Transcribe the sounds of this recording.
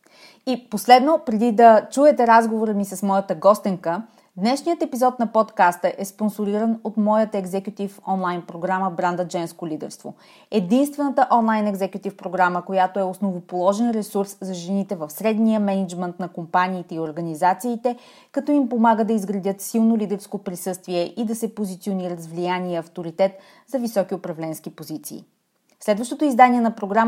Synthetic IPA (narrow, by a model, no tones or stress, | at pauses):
iposlɛd̪nopɾɛd̪id̪ɐt͡ʃuɛt̪ɛɾazɡovoɾəmisɐsmɔjət̪əɡɔst̪iŋkə | d̪nɛʃnijət̪ɛpizɔt̪nɐpɔt̪kast̪əʔɛsponsoɾiɾənot̪mɔjət̪əɛɡzɛkjʊt̪ifɔnlˠajnpɾoɡɾaməbɾand̪əd͡ʒɛnskolid̪ɛ̰ɾst̪vo̰ | ɛd̪inst̪vɛnət̪əʔɔnlˠajnɛɡzɛkʲjʊt̪ifpɾoɡɾaməkojat̪oɛosnovopolˠɔʒɛnɾɛsuɾszɐʒɛnit̪ɛvəfsɾɛd̪nijəmɛnɛd͡ʒmɛnt̪nɐkompanʲiːt̪ɛioɾɡɐnizat̪siːt̪ɛ | kɐt̪ɔimpomaɡəd̪ɐizɡɾɐd̪ʲət̪silˠnolʲid̪ɛɾskopɾisɤst̪viɛʔid̪ɐsɛpozit̪sioniɾəzvlijaniəɐft̪oɾit̪ɛt̪ | zɐvisɔkiopɾɐvlɛnskipozit̪sḭː | slɛd̪vəʃt̪ot̪oizd̪aniɛnɐpɾoɡɾam